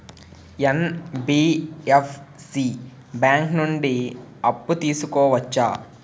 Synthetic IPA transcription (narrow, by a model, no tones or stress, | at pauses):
enbiːepʰ | siː | bjaːŋknuɳɖiɐpːut̪iːsukɔːʋɐt͡ʃːa̰ː